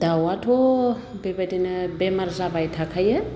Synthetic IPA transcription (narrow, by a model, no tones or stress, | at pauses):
d̪awatʰo | bebad̪enəbemarzavajt̪ʰakʰajə